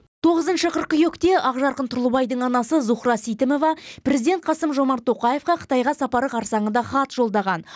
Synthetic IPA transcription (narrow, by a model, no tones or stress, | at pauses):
t̪ʰo̞ʁəzənʃəqʰəɾqəjɵkt̪e̞ʔɑʁʒɑɾqənt̪ʰʊɾlˠəbɑjd̪əɴɑnɑsəzuχɾɑsijt̪ɪmo̞vɑpɾʲe̞zid̪e̞nt̪̚qʰɑsəmʒo̞mɑɾt̪ʰːo̞qɑje̞fqɑqʰə̥t̪ɑjʁɑsɑpɑɾəqʰɑɾsɑɴənd̪ɑχɑt̪ʒ̥o̞lˠd̪ɑʁɑn